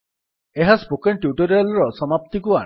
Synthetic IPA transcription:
eɦaspokenʈjuʈɔɾijalɔɹɔsɔmapt̪ikua̰

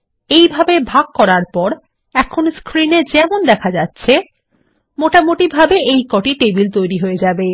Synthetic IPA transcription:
ejbʱabebʱaɡ̚kɔɾaɾpɔɾ | ɛkʰonskɾined͡ʑɛmond̪ɛkʰad͡ʑatːɕʰe | moʈamoʈibʱabeejkɔʈiʈebilt̪ojɾiɦoed͡ʑabe

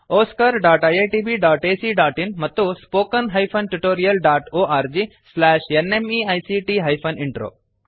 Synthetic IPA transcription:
oːskɐɾɖaːʈajeʈiːbiɖaːʈeːsiɖaːʈinmɐt̪ːuspoːkənɦɐjfʰɐnʈuʈoːɾijɐlɖaːʈoːaːɾd͡ʒiːslɛːʃenemiajsiʈiɦɐjpʰɐniɳʈɾo̰ː

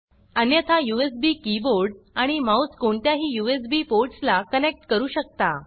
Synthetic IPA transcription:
ənjət̪ʰajuesbiːkiboɾɖaɽ̃imauskoɳt̪jaɦiːjuesbiːpoɾʈslakənek̚ʈkəɾuːɕək̚t̪a

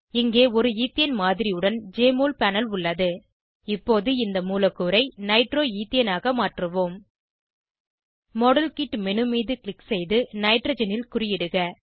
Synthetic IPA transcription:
ɪŋɡeːɔɾɯiːt̪ːɪjɐnmaːðɪɾɪjɯɽɐnd͡ʒeːmoːlpɛnɐlʊɭːɐðɯ | ɪpːoːðɯɪnd̪ɐmuːlɐkːuːɾɐɪnɐɪʈroːiːt̪ɪjɐnaːɣɐmaːʈrɯʋoːm | mɔɽɐlkiʈːmɛnɯmiːðɯklɪksɛjðɯnɐɪʈɾɐd͡ʒɐnɪlkʊrɪjɪɽɯɣɐ

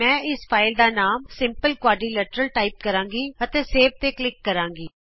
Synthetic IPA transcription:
ɛ̃ːɪspʰaːɪld̪aːnaːmsɪ̃mpəlkwaːɖiːləʈəɾəlʈaːiːp̚kəɾãːŋɡiːət̪eːseːb̚t̪eːklɪkːəɾãːŋɡiː

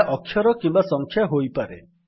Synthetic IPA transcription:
ʔɔkʰːjɔɾɔkimbasɔŋkʰjaɦojpaɾḛ

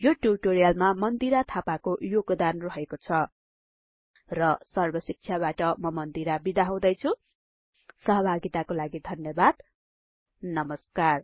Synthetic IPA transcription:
joʈjubʈoɾijalmamʌnd̪iɾat̪ʰapakojoɡd̪anrʌɦekot͡sʰʌ | rʌsʌrbʌsik̚t͡sʰjabaʈʌmʌmʌnd̪iɾabid̪aɦãw̃d̪ʌjt͡sʰu | sʌɦʌbʱaɡit̪akolaɡid̪ʱʌnjʌbad̪ | nʌmʌskar

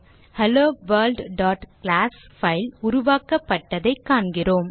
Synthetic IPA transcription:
hɐloːʋɐːɾlɖɖaːʈklaːs | fɐɪlʊɾʊʋaːkɐpːɐʈːɐðɐɪkːaːɳɡɪroːm

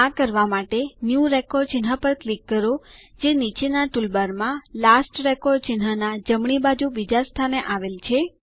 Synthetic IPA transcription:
akəɾʋamaʈenjuɾekɔɾɖ̚t͡ʃinɦapəɾklikːəɾod͡ʒenit͡ʃenaʈulbaɾmãlasʈɾekɔɾɖ̚t͡ʃinɦanad͡ʒəmɳibad͡ʒuʋid͡ʒast̪ʰaneʔaʋelt͡ʃʰe

